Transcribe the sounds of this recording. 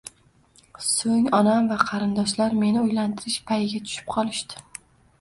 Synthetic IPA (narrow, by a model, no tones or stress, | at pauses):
soŋɒnamvaqʰɑɾɪnd̪ɒʃlaɾme̞nɪojlant̪ʰɪɾɪʃpʰajɪɡʲat̪ʰʊ̥ʃɪ̥p̚qʰɒlˠɪʃt̪ɪ̥